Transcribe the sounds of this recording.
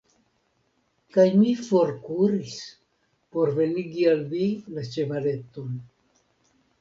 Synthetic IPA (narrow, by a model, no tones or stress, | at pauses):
kajmifo̞ɾkuɾis | po̞ɾve̞niɡialmilat͡ʃe̞vale̞t̪o̞n